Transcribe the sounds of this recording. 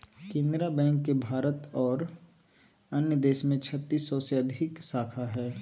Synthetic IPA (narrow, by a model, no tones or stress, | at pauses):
kẽnd̪ɾabɛ̃ːŋkːebʱaːɾət̪ɔːɾ | ənjəd̪eːʃmẽt͡ʃʰət̪ːiːsːɔseɐd̪ʱɪksaːkʰaɦɛː